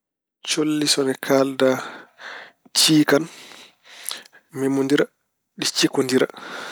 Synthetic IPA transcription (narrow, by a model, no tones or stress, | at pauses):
t͡ʃolːisɔnɛkʰalda | t͡ʃiːkan | mɛmondiɾa | ɗit͡ʃikondiɾa̰